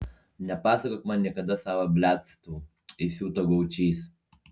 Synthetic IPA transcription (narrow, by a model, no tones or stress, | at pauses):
nʲɛpɑːsɐkoːkmɑnnʲiɛkɐd̪ɐsɑːʋɐbʲlʲæːt̪st̪uː | ɪsʲuːt̪oːɡɐʊt͡ʃʲiːs